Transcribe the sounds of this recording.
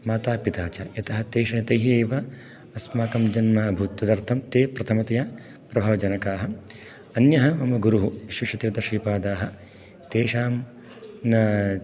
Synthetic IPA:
maːt̪aːpit̪aːt͡ʃaːjɐt̪ɐɦɐt̪eːʃɐjɐt̪ɐjɦieːʋɐ | ɐsmaːkɐmd͡ʒɐnmaːɐbʱut̪ːɐd̪ɐɾt̪ʰɐmt̪eːpɾɐt̪ʰɐmɐt̪ɐjaː | pɾɐbʱɐʋɐd͡ʒɐnɐkaːɦɐ | ɐnjɐɦɐmɐmɐɡuɾuɦuʋiʃʋɐʃɐt̪iɾd̪ɐʃiːpaːd̪aːɦɐ̆ | t̪eːʃaːm | nɐ

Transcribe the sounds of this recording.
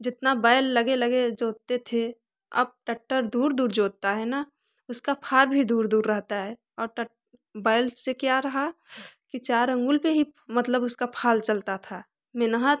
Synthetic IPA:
d͡ʒɪt̪nabaːɪlːəɡeləɡed͡ʒoːt̪et̪ʰe | ə̰b̚ʈəʈːəɾd̪uːɾd̪uːɾd͡ʒoːt̪aɦɛna | ʊskapʰaːɾbʱid̪uːɾd̪uːɾːɛɦt̪aɦɛː | ɔːɾʈə | baːɪlsekjaɾɐɦakit͡ʃaːɾə̃ŋɡʊlpeɦimət̪ləbʊskapʰaːlt͡ʃəlt̪at̪ʰa | menəɦə

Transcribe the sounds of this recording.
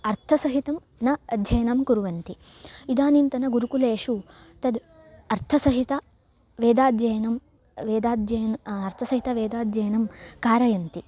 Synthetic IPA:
ɐɾt̪ʰɐsɐɦit̪ɐm | nɐɐd̪ʱjɐjnɐmkuɾuʋɐnt̪i | id̪aːnint̪ɐnɐɡuɾukuleːʂu | t̪ɐd̪ | ɐɾt̪ʰɐsɐɦit̪ɐ | ʋeːd̪aːd̪ʱjɐjɐnɐm | ʋeːd̪aːd̪ʱjɐjnɐɾt̪ʰɐsɐɦit̪ɐʋeːd̪aːd̪ʱjɐjnɐmkaːɾɐjɐnt̪i

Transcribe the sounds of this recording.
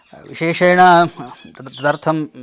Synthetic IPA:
ʋḭʃeːʂɐjɳɐɐt̪ɐd̪ɐɾt̪ʰɐm

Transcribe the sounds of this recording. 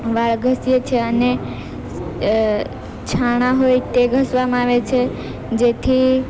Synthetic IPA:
ʋaɭɡʱəsjet͡ʃʰeəne | t͡ʃʰaɽ̃aɦojt̪eɡʱəsʋamãaʋet͡ʃʰe | d͡ʒet̪ʰi

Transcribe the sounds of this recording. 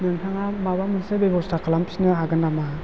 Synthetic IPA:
nɯŋtʰaŋamabamɯnsebejbɔstakalampsnɯɦaɡɯndama

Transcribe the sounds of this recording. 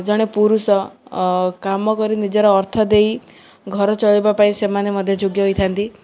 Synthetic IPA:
d͡ʒɔɽ̃epuɾusɔ | kamɔkɔɾinid͡ʒɔɾɔːɾt̪ʰɔd̪ei | ɡʱɔɾɔt͡ʃɔɭibapaĩsemanemɔd̪ʱjɔd͡ʒoɡjɔɦojt̪ʰant̪i

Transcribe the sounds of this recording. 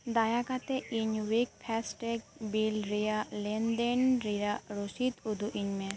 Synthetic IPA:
d̪ajakat̪ɛiɲwik̚pʰɛsʈek̚bilɾijalɛnd̪enɾiɾaɾosit̪ud̪uʔiɲmɛ

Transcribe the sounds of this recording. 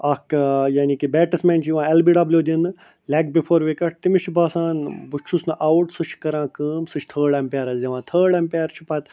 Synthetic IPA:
ɐkjaːnikibɛːʈɐsmẽːnt͡ʃʰiʋãːelbiːɖɐblʲjoːd̪inɨ | lʲek̚bipʰoːɾʋekɐʈ̚t̪imit͡ʃʰbaːsãːnbut͡ʃʰusnʔawuʈsɨt͡ʃʰkɐɾãːkəːmsɨt͡ʃʰt̪ʰəːɖɐmpʲaːɾɐzɐʋãːt̪ʰəːɖɐmpeːɾt͡ʃʰupɐt̪

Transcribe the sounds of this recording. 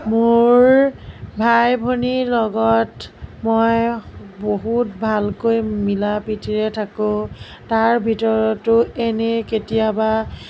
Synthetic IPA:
moɹbʱajbʱonilɔɡɔtmɔjboɦutbʱalkojmilapitiɹɛtʰakʊ̃ | taɹbʱitɔɹɔtːʊɛneketijaba

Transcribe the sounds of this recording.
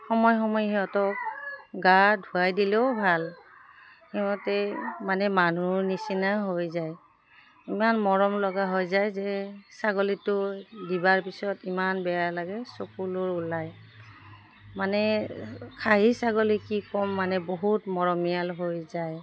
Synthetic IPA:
xɔmɔjxɔmɔjɦɛɔtɔk̚ɡadʱuajdilɛʊbʱal | xɛmɔtɛmanɛmanuɹnisinaɦojzaj | imanmɔɹɔmlɔɡaɦojzajzɛsaɡolitʊdibaɹpisɔtimanbɛjalaɡɛsokulʊɹulaj | manɛ | kʰaɦisaɡolikikɔmːanɛboɦutmɔɹɔmijalɦojzaj

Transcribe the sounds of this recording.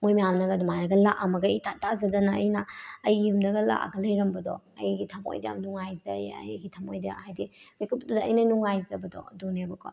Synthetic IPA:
mojmijamnɐɡɐdumaɾɐɡɐlaʔɐmɐɡɐitatazɐdɐnɐːjnɐːjumdɐɡɐla̰ʔa̰ɡɐlɐjɾɐmbɐdɔ̰ɐjɡitʰɐmo̰jdeja̰mnuŋajzɐjɐ̰jɡitʰamojdja̰hajdibekʰuptudɐːjnɐnuŋajzɐbɐdɔ̰dunebɐkʰɔ̰

